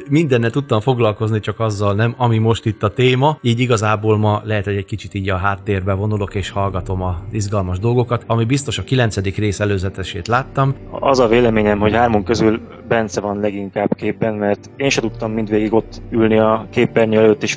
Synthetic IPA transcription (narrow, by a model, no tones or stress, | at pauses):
mind̪ɛnːɛlt̪ut̪ːɒɱfo̞ɡlɒlko̞znit͡ʃɒkɒzːɒlnɛmɒmimo̞ʃt̪it̪ːɒt̪eːmɒiːɟiɡɒzaːboːlmɒlɛɦɛt̪ho̞ɟɛckit͡ʃit̪iːɟɒɦaːt̪ːeːrbɛvo̞nulo̞keːʃhɒlɡɒt̪o̞mɒzizɡɒlmɒʒd̪o̞lɡo̞kɒt̪ɒmibist̪o̞ʃɒkilɛnsɛd̪ikreːsɛløːzɛt̪ɛʃḛːt̪laːt̪ːɒm | ɒ̰zɒveːlɛmeːɲɛmho̞chaːrmoŋkøzyl | bɛnsɛvɒnlɛɡiŋkaːbkeːbːɛnmɛrt̪eːnʃɛt̪ut̪ːɒmːint̪ʋeːɡiɡo̞t̪ːylniɒkeːpbɛrɲyɛløːt̪ːeːʃ